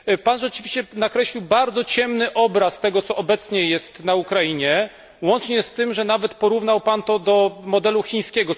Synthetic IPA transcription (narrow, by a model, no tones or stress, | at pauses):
panʐɛt͡ʂɘvʲiɕt͡ɕɛnakɾɛɕlʲiwbaɾd̪zɔt͡ɕɛmnɘʔɔbɾast̪ɛɡɔt̪sɔʔɔbɛt̪sɲɛjɛst̪naukɾajiɲɛ | wɔnt͡ʂɲɛst̪ɘmʐɛnavɛt̪pɔɾuvn̪awpant̪ɔd̪ɔmɔd̪ɛluxʲĩɲ̃skʲɛɡɔ